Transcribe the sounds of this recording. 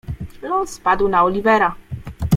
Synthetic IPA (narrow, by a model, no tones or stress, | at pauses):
lɔnspad̪wnaɔlʲivɛɾa